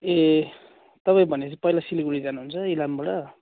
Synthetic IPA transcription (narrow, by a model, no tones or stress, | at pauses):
e | t̪ʌpaj̃bʱʌnet͡sʰapʌilasiliɡuɽid͡zanuɦunt͡sʰʌilambʌɽʌ